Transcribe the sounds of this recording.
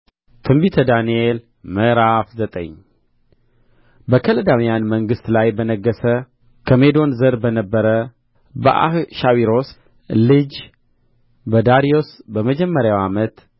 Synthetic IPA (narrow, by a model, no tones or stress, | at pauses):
t̪ʰɨmbit̪ʰəd̪aniel | məɾafzət̪ʼə̰ɲ | bəkʰələd̪amijanməŋɡɨst̪lajbənəɡːəsə | kʰəmed̪o̞nzəɾbənəbːəɾə | bə̰ʔa̰hʃawiɾo̞s | lɨd͡ʒ | bəd̪aɾijo̞sbəməd͡ʒɛmːəɾjawamət̪